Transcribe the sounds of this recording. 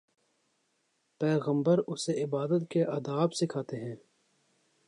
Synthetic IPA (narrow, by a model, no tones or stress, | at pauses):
pɛːɣə̃mbəɾʊseɪbaːd̪ət̪keʔɐd̪aːbsɪkʰaːt̪eɦɛ̃ː